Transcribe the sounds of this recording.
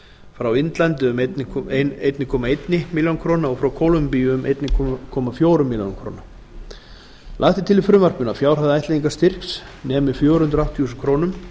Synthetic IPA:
fɾawɪnt̪lant̪̬ɪʏmejt̪nɪkʰɔːmaejt̪nɪmiːljawnkʰɾoːnaɔɣfɾawkʰolʏmpijʏʏmʔḛjt̪nɪkʰkʰɔːmafjoːwɾʏmːiljawnmkʰɾo̰ːna | laɣt̪ɪt̪ʰɪlɪfɾʏːmvar̥pʏnafjaːwr̥haðajht̪leðiŋkast̪ɪr̥ksnɛːmɪ̥fjoːwɾʏhʏnt̪ɾawht̪ʰjusʏkʰɾoːnʏm

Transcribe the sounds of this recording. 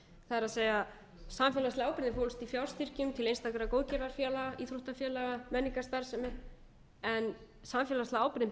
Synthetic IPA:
θaðɛɾaðseːja | samfjɛlast̪laawpɾɪɾðɪfowlst̪ifjaw̥st̪ir̥cʏmt̪ʰɪlejnst̪akɾakoːwðcɛvaɾ̥fjɛːlaɣaiθɾoht̪afjɛːlaɣamɛnːiŋkḁst̪aɾ̥sɛmɪ | ɛn | samfjɛlast̪aaːwpɾɪðɪ

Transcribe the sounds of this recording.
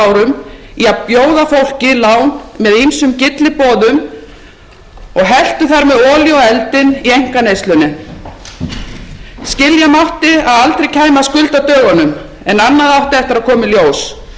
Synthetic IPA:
wɾʏmiaðpjoːwðafowl̥cɪlaːwnmɛðimsʏmcɪt̪lɪpɔːðʏm | ɔɣɦɛl̥t̪ʏθaɾmɛðɔːljowɛlt̪ɪniejŋ̥kanejst̪lœnɪ | scɪljamawht̪ɪaðalt̪ɾejcʰaːjmaskʏlt̪at̪œːɣanʏm | ɛnanːaðawht̪ɪɛft̪ɪɾaðkʰɔːmɪljoːws

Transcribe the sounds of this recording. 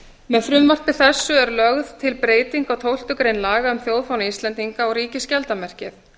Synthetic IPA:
mɛðfɾʏmvar̥t̪vɪθɛsːʏɛɾlœɣð̥t̪ʰɪlpɾeːjt̪iŋkawt̪ʰowl̥t̪ʏkɾejnlaːɣaʏmθjowðfawnaist̪lɛnt̪iŋkaɔɣɾiːcɪscɛlt̪amɛr̥cɪθ

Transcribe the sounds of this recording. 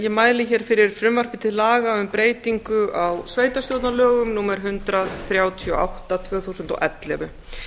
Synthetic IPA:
jɛmaːjlɪçɛːɾ̥fɪɾɪɾ̥fɾʏmvar̥pɪt̪ʰɪðlaːɣaʏmpɾeːjt̪iŋkʏʔawsveːjt̪asjowt̪nalœːɣʏmnuːmɛɾ̥ɦʏnt̪ɾaðθɾjaːwt̪ʰiɔ̰ʔa̰wht̪at̪ʰvœːθuwsʏnt̪ɔ̰ʔɛt̪lɛvʏ̰

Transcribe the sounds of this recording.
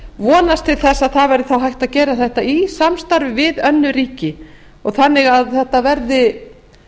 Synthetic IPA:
vɔːnast̪ʰɪlθɛsːaðθaðvɛɾɪθawɦajht̪aðcɛːɾaθɛht̪aisamst̪aɾvɪvɪðœnːʏɾiːcɪ | ɔɣθanːɪɣaðθɛht̪avɛɾðɪ

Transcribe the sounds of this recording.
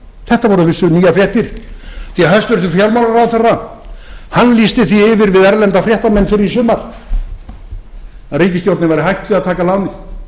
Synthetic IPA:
θɛht̪avɔɾʏvɪsːʏniːjafɾjɛht̪ɪɾ̥θiaɦœst̪vʏɾθʏfjalmawlaɾawθɛrːa | hanːliːst̪ɪθiɪvɪɾvɪðɛɾlɛnt̪afɾjɛht̪amɛnːfɪɾɪɾisʏːmaɾ̥ | aɾiːcɪst̪jowɾt̪nɪvajɾɪɦajht̪vɪaðt̪ʰaːkalaːwnɪ

